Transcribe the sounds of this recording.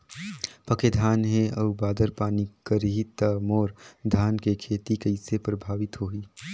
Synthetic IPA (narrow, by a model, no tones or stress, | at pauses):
pɐked̪ʱaːnɦẽɐːbaːd̪əɾpaːnikəɾiɦit̪amoːɾd̪ʱaːnkekʰeːt̪ikɐɪsepɾɐbʱaːʋɪt̪ɦoːiː